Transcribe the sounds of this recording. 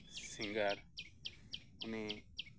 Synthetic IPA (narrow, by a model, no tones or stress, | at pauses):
siŋɡəɾ | ʊni